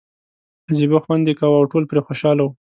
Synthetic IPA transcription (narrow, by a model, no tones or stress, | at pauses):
aziboxwand̪ekawawʈolpɾexoʃɑlawu